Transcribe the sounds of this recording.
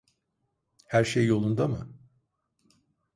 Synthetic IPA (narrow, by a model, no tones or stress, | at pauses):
hæɾʃejːo̞lˠund̪amɯ